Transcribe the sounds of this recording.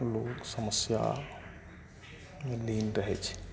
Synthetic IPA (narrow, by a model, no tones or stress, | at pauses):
loːksəməsja̰ | liːnɾəɦɛt͡ʃʰ